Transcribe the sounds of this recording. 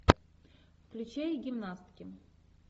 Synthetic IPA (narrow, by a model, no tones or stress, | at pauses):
fklʲʉt͡ɕejɡʲɪmnast̪ʲkʲɪ